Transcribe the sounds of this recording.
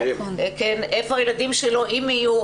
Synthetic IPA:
kenefoajelad̪imʃeloʔimiju

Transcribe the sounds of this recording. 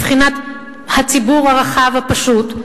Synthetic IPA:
fχinat̪ | hat͡sibuʁhaʁaχavhapaʃut̪

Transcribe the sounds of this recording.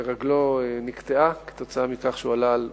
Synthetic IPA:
ʁaɡlo̞enikt̪eake̥t̪o̞t͡saamikaχʃualal

